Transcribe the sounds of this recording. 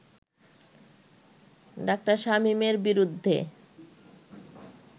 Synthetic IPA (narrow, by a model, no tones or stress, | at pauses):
ɖak̚ʈaɾʃamimeɾbiɾud̪ʱːḛ